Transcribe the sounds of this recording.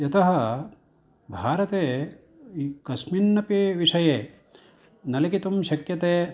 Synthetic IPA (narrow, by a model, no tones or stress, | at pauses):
jɐt̪ɐɦɐ̆ | bʱaːɾɐt̪eː | kɐsminːɐpiːʋiʂɐjeː | nɐlɐkit̪umʃɐkjɐt̪eː